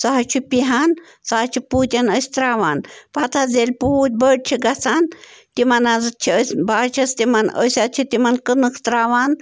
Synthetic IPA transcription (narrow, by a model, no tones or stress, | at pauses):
sɐɦɐt͡ʃʰupiɦaːn | saːt͡ʃʰipuːt̪ʲanəsʲt̪ɾaːʋaːnpɐt̪ʰazelʲpuːt̪̚ʲbəɽ̚t͡ʃʰiɡɐt͡saːnt̪imɐnaːzɨt̪̚t͡ʃʰiəsʲbaːt͡ʃʰɐst̪imɐnə̰sʲat̪̚t͡ʃʰit̪imɐnkɨnɨkt̪ɾaːʋaːn